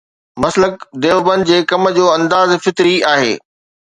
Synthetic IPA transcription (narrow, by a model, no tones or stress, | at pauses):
mɐslək̚d̪eːʋbənd͡ʑeːkɐməd͡ʑoːɐ̃nd̪aːzfɪt̪ɾiaːɦḛː